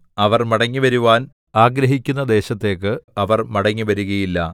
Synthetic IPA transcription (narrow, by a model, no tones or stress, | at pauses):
ɐʋɐrmɐɽɐŋːiʋɐɾuʋaːn | aːɡɾɐɦikʲːunːɐd̪e̞ːɕɐt̪ːe̞ːkːɨɐʋɐrmɐɽɐŋːiʋɐɾuɣɐjilːɐ